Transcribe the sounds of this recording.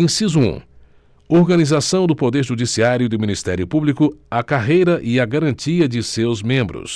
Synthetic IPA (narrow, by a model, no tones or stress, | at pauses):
ẽsizuṵ̃ | oɾɡɐnizasɐ̃w̃d̪ʊpod̪eɾʒud͡ʒisiaɾjʊd̪ʊmĩnist̪ɛɾjʊpublikʊakaɦejɾɐʔɪɐɡaɾɐ̃nt͡ʃiɐd͡ʒɪsewzmẽmbɾʊ̰s